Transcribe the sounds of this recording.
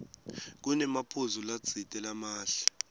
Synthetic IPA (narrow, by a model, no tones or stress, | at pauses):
k̬unɛmapʰuzulḁt͡sitʼɛlamaːɬɛ̥